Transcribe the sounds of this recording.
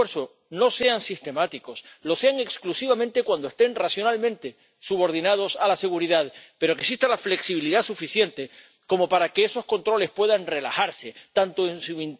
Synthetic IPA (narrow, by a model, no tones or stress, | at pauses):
eɾso | no̞se̞ansist̪e̞mat̪iko̞slo̞se̞aŋe̞ksklusiβ̞amẽnt̪e̞kwand̪oe̞st̪e̞nrasjo̞nalmẽnt̪e̞ | suβo̞ɾðinað̞o̞salase̞ɣuɾiðaðpe̞ɾo̞keksiht̪alafle̞ksiβiliðasufiθje̞nt̪e̞ | ko̞mo̞paɾake̞eso̞sko̞nt̪ɾo̞le̞spwe̞ðanre̞la̰xaɾse̞t̪ant̪oensuin